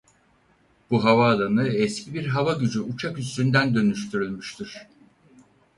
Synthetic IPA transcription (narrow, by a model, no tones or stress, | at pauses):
b̥uɦavaːd̪ˠanɯɛscʰibiɾɦavaɟyd͡ʒyut͡ʃʰakyst̪ynd̪ænd̪ø̞nyʃt̪ʰyɾylʲmyʃt̪ʰiɾ̥